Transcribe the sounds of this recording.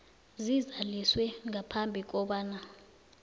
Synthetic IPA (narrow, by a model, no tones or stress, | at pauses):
zizaliswɛŋʱapʰambʱik̬ɔɓaːna